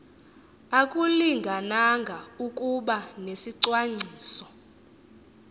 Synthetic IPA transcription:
akʼuliŋɡʱanaŋɡʱaukʼuɓanesiǀwaŋ͡ǀʱiːsɔ

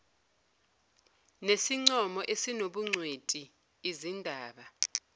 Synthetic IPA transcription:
nesiŋ͡ǀɔmɔʔesinoɓuŋ͡ǀʱwetʼiː | zindʱaːɓa

